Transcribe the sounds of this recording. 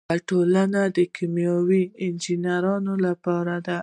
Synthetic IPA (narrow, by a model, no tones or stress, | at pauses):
aʈolanad̪əkʰimjɑwiɪnd͡ʒinaɾɑnolapɑɾad̪a